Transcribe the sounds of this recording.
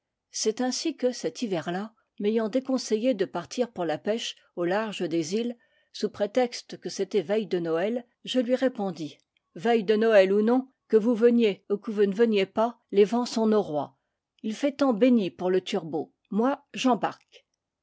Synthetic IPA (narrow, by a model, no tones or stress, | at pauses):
sɛt̪ɛ̃sikəsɛt̪ivɛʁla | mejɑ̃d̪ekɔ̃sejed̪əpaʁt̪ʰiʁpuʁlapɛʃ | olaʁʒəd̪ezil | supχet̪ɛkst̪əkəset̪ɛvɛjd̪ənɔɛl | ʒəlɥiʁepɔ̃d̪i | vɛjd̪ənɔɛlunɔ̃ | kəvuvənjeukəvunəvənjepa | levɑ̃sɔ̃noʁwa | ilfɛt̪ɑ̃benipuʁlət̪ʰyʁbo | mwaʒɑ̃baʁk